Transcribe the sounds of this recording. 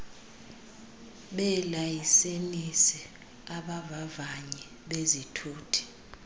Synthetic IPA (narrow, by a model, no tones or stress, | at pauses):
ɓɛlajisenisi | aɓavavaɲɛ | ɓezitʰuːtʰi̥